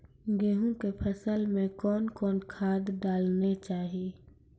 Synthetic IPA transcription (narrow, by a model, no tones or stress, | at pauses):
ɡeːɦũkepʰəsəlmẽkɔːnkɔːnkʰaːd̪ɖaːlnet͡ʃaːɦie